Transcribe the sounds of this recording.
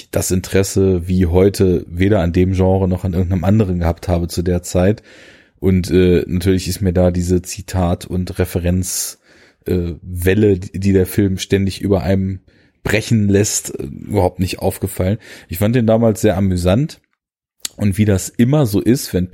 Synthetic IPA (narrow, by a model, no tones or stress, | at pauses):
d̥asʔɪntəʁ̥ɛsəviːɦɔʏtʰəveːɾɐandeːmʒɑ̃ːʁənɔχanɪɐɡŋ̩tnəmʔandəʁ̞ənɡəhaːp̚thaːbət͡sudeːɐt͡saɪt | ʔʊntʔɛːnʔatʰyːɐlɪçɪstmiːɐdaːdiːzət͡sitʰaːtʰʊntʁɛfəʁɛnt͡s | ʔɛːvɛlədiːdeːɐfɪlmʃtɛndɪçʔy̰ːbɐʔa̰ɪnm | b̥ʁɛçn̩lɛstɛ̰ʔy̰bɐhaʊp̚tnɪçtʔa̰ʊfɡ̥əfalənʔɪçfantd̥eːndaːmaːlsz̥eːɐʔamyzant | ʔʊntv̥iːdasʔɪmɐzoːʔɪstv̥ɛn